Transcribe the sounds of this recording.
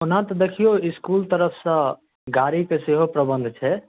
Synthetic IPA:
onãt̪ɔd̪ekʰijoiskult̪əɾəpʰsə̃ | ɡaɾikeseɦopɾəbənd̪ʱt͡ʃʰɛ

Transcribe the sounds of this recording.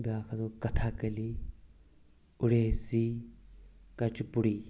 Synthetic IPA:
baːkʰɐd̪okɐt̪ʰaːkəli | ʊɽeːsiː | kɐt͡ʃpʊɽiː

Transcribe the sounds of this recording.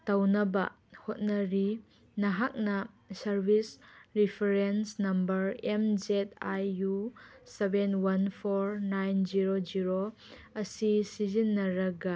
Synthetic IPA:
tawnɐbɐ̰ | hot̚nɐɾi | nɐɦak̚nɐ | sɐɾbʱisɾipʰeɾensnɐmbɐɾemzet̚ajusebenwɐnpʰoɾnajnziɾod͡ʒiɾo | ɐsisizinːɐɾɐɡɐ

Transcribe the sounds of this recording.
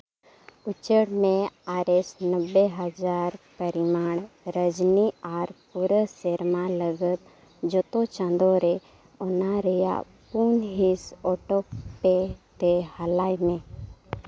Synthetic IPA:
ʊt͡ʃəɽmẽaːɾesnəbːeɦəd͡ʒaːɾpəɾɪmaːɳ̃ɾəd͡ʒniaːɾpuɾəseɾmãləɡət̪̚ | d͡ʒot̪ot͡ʃãnd̪oɾe | onaɾəja̰ | puːnɦisɔːʈopet̪ehəlaːjmẽ

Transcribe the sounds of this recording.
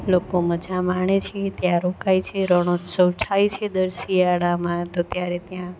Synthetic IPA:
lokoməd͡ʒʱamaɳ̃et͡ʃʰet̪jãɾokajt͡ʃʰeɾəɽ̃osəwt͡ʃʰajt͡ʃʰed̪əɾsiaɭamãt̪ot̪jaɾet̪jã

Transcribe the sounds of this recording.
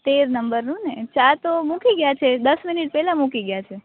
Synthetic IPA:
t̪eɾnəmbəɾnũnet͡ʃat̪omũkiɡjat͡ʃʰed̪əsmɪniʈ̚pɛɦlãmũkiɡjat͡ʃʰe

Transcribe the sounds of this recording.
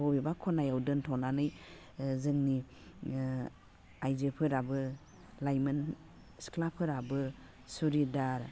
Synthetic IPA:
ɔbibakʰɔnajawdɯntʰɔnanɯj | zɯŋni | ajzepʰɯɾabɯ | lajmɯn | sklapʰɯɾabɯ | suɾidaɾ

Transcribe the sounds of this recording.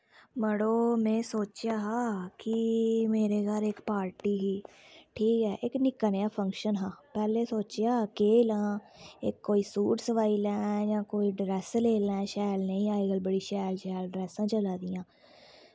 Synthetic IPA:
məɽoːmɛ̃ːsoːt͡ʃjaːɦaːkɪmeːɾeːɡalɪkpaːɾʈiːɦiːʈʰiːkɛːʔɪknɪkːənjaːpʰə̃ŋkʃənɦãːpɛːleːsoːt͡ʃjaːkeːlãːɪkːoːiːsuːʈsəʋaːiːlɛ̃ːjãːkoːiːɖɾɛːsleːlɛ̃ːʃaːjlnəĩːaːeɡəlbəɽiːʃaːlʃaːlɖɾɛːsãːt͡ʃəlaːd̪ijãː

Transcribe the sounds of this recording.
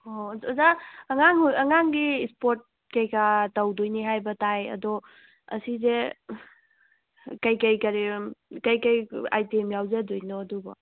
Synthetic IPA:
oɔzaɐŋaŋɦujɐŋaŋɡiːspoɾt̚ | kejkatawdojniɦajbɐtajɐ̰dɔ | ɐ̰size | kɐjkɐjkaɾikɐjkɐja̰jtemjawzedojnɔːdubɐ̰

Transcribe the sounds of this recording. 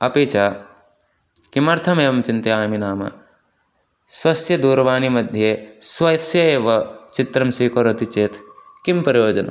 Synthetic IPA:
ɐpeːt͡ʃaː | kimɐɾt̪ʰɐmeːɐmt͡ʃint̪ɐaːjminaːmɐ̰ | swɐsjɐd̪uːɾʋaːnimɐd̪ʱjeswɐsjɐeːʋɐt͡ʃit̪ɾɐmsiːkoɾɐt̪it͡ʃeːt̪ | kimpɐɾijoːd͡ʒɐnɐ̰

